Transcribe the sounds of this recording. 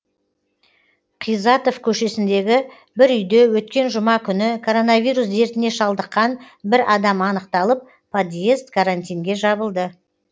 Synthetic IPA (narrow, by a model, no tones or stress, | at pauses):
qʰijzɑt̪o̞fkʲʰɵʃe̞sɪnd̪e̞ɡʲɪ | bɪɾʏjd̪e̞wɵt̪̚kʲe̞nʒʊmɑkʲʰʏnɪkʰo̞ɾo̞navʲijɾus̬e̞ɾt̪ɪne̞ʃɑlˠd̪əqːɑn | bɪɾɑd̪ɑmɑnəqt̪ɑlˠəp̚ːʰ | od̪jest̪kʰaɾant̪ijŋɡʲe̞ʒɑbəlˠd̪ə